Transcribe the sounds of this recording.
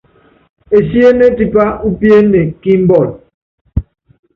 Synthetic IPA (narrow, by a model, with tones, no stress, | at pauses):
e˨si˦e˦ne˦ti˦pa˦u˦pi˦e˦ne˨ki˦m̩˦bɔ˦˨l̚